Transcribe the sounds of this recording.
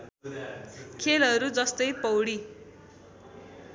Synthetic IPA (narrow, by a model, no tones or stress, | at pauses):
kʰelʌɾud͡zʌst̪ʌjpʌwɽi